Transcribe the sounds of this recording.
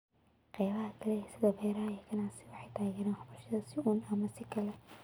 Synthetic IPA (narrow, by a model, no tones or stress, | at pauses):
qɛjβɐɦɐkʰɐlɛsɪðɐbɛjɾajɛkʰɐnaːsɪwɑħɑjt̪ʰaːɣɛːɾaːnħʊbʊrʃɐðɐsɪuːnɐmɐsɪkʰɐlɛ